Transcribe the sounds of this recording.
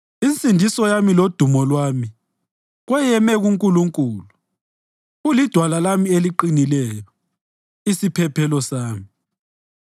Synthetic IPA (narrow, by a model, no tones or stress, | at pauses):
int͡sʼindʱisɔjamilod̥ʱumɔlwami | ɣwɛjɛmɛɣuŋkʼuluŋkʼuːlu | ulid̥ʱwalalamieliǃinilɛjɔ | isipʰɛpʰɛlɔsaːmi